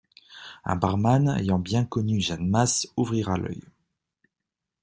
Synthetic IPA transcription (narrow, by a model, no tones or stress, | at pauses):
ɛ̰̃baʁmanḛjɑ̃bjɛ̃kɔnyʒanmasuvʁiʁalœ̰j